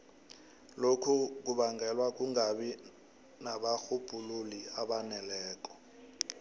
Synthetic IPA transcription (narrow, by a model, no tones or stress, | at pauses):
lokʰuk̬uɓaŋɡɛlwak̬uŋaɓi | naɓaxub̥ʱululiaɓanɛlɛːk̬ɔ̥